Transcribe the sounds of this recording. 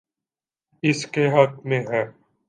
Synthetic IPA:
ɪskeɦɐk̚mẽɦɛː

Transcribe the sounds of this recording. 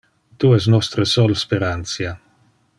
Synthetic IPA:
t̪uɛs̬nɔst̪ɾesɔlspeɾant̪sja

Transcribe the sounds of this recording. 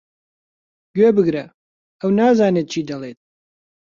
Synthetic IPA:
ɡøːbɨɡɾɐ | ɐwnaːzaːneːt̪̚t͡ʃʰiːd̪ɐleːt̪̚

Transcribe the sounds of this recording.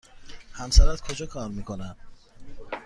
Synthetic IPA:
hæmsæɾæt̪kʰod͡ʒɒːkʰɒːɾmiːkʰonæn

